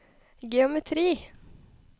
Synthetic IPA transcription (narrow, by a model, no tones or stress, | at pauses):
ɡɛʊmɛt̪ʰɾiː